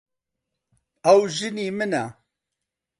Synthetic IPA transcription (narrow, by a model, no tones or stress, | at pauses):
ɐwʒɨniːmɨnæ